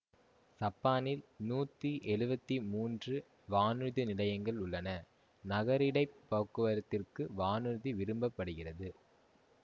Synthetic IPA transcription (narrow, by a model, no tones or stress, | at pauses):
sɐpːaːnɪlnuːt̪ːiʔɛɻɯbɐt̪ːimuːndrɯ | ʋaːnɯðɯnɪlɐjɐŋɡɐɭʊɭːɐnɐ | nɐɣɐɾɪɽɐɪpːoːkːɯʋɐɾɐt̪ːɪrkɯʋaːnɯðɯʋɪɾɯmbɐpːɐɽɯɣɪrɐðɯ